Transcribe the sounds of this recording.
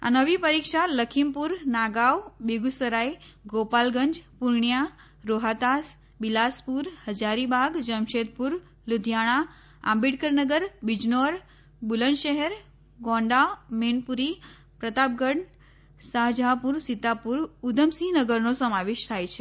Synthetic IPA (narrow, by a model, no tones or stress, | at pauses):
a̰nəʋipəɾikʃaləkʰimpuɾnaɡawbeɡusəɾaiɡopalɡəɲd͡ʒpuɾɳja | ɾoɦat̪as | bilaspuɾhəd͡ʒaɾibʱaɡd͡ʒəmʃet̪̚puɾ | lud̪ʱjaɽ̃a | ã̰mbiɽkəɾnəɡəɾbid͡ʒnoɾ | bulənʃəɦɛɾ | ɡɔ̃ɳɖamenpuɾi | pɾət̪ap̚ɡəɳ | saɦd͡ʒapuɾsit̪apuɾud̪ʱəmsinəɡəɾnosəmaʋeʃt̪ʰajt͡ʃʰe